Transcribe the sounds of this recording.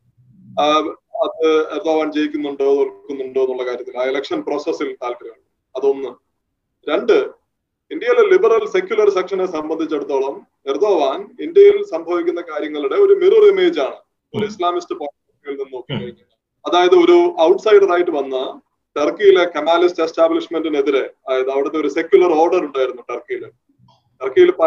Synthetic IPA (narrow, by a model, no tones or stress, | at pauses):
ɐðɨerd̪oːʋaːnd͡ʑe̞jikʲːunːuɳɖo̞ːnolkːunːuɳɖoːnːuɭːɐkaːɾjɐt̪ːilaːelekʂɐnpro̞ːsesilt̪aːlkɐɾɐɐl | ɐðo̞nːɨ | ɾe̞ɳɖɨ | ind̪jɐjilelibɐrɐlse̞kʲjulɐrsekʂɐnesɐmbɐnd̪ʱit͡ɕːe̞ɽut̪ːo̞ːɭɐm | erd̪oːʋaːnind̪jɐjilsɐmbʱɐʋikʲːunːɐkaːɾjɐŋːɐɭuɽe̞o̞ɾumirurime̞ːd͡ʑaːɳɨ | oɾuislaːmistɨpoːɐkːiɣilninːoːkːɐkɐɻiŋːɐɐ | ɐðaːjɐðɨo̞ɾuɐwʈsɐjɖɐðaːjiʈːɨʋɐnːɐ | ʈerkijile̞kɐmaːliste̞staːbliʂme̞ndine̞ðiɾe̞ɐaːjɐðɨɐʋiɽɐt̪ːeo̞ɾuse̞kʲjulɐro̞ːrɖɐɾuɳɖaːjiɾunːuʈɐrkijilɨ | ʈɐrkijilpɐ